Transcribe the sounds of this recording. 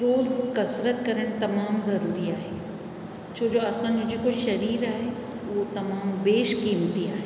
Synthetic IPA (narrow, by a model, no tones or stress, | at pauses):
ɾoːzkɐsɾət̪kɐɾəɽ̃t̪ɐmaːmzɐɾuːɾiaːɦe | t͡ʃʰoːd͡ʒoːɐsə̃nd͡ʒikoʃɐɾiːɾaːɦe | ʋot̪ɐmaːmbeːʃkiːmt̪ia̰ːɦeː